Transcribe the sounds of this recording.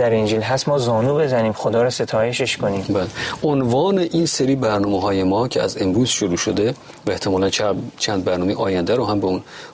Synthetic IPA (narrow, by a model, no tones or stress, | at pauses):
d̪æɾind͡ʒilɦæsmɒːzɒːnuːbe̞zæniːmxod̪ɒːɾɔse̞t̪ʰɒːje̞ʃeʃkoniːmbæːleonvɒːneʔiːnseɾiːbæɾnɒːmeɦɒːjemɒːcʰeæ̰zembuːzʃoɾuːʃod̪e | væeht̪ʰemɒːlænt͡ʃʰt͡ʃʰæːnd̪̚bæɾnɒːmejʔɒːjænd̪æɾoɦæmbeuːn